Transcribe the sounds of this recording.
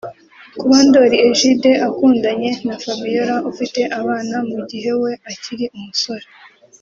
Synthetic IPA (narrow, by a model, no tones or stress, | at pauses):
kuβaːndo̞ɾieʒide̞ʔakuːndaɲe̞nafabijo̞ɾaufite̞ʔaβaːnamuɟiɦe̞we̞aciɾiumuso̞ɾe